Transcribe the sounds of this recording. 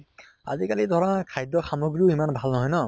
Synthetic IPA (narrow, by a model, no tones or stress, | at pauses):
a̰zikalidʱɔɹɔakʰajdɔxamoɡɹiʊimanbʱalnɔɦɔjnɔ